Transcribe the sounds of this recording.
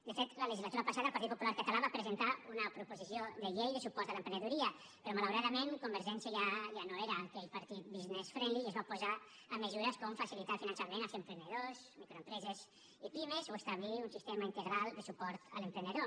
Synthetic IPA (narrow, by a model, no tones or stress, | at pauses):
d̪əfet̪lələʒizlat̪uɾapasaðəlˠpaɾt̪it̪̚po̥pulaɾkət̪alaβapɾəzent̪aunəpɾupuzisioðəʎejðəsupɔɾt̪aləmpɾenəðuɾiə | pəɾɔmalawɾaðəmeŋkumbəɾʒɛnsjəʎaʒanoeɾakelpəɾt̪it̪̚biznesfɾɛniəzβapuza | əməzuɾəskomfasilit̪alfinə̃nsamenalˠzempɾend̪əðozmikɾoempɾɛzez | ipimezoest̪aβliunsist̪emaint̪əɣɾalˠd̪əsupɔɾt̪ə̰lempɾend̪eðo